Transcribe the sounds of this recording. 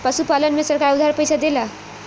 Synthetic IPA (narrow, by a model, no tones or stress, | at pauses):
pʌsupalənmesʌrkaɾud̪ʱaɾpʌjsad̪ela